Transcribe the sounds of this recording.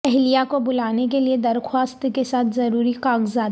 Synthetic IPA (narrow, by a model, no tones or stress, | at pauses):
ɛɦlijakobʊlaːnek̬elied̪ɐɾxwaːst̪kesaːt̪ʰzɐɾuːɾikaːɡzaːd̪